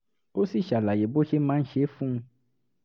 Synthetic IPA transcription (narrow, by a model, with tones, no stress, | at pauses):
o˦si˦˨ʃa˨la˨je˨˦bo˦ʃe˦mãː˦n̩˦ʃe˨˦fũ˦˧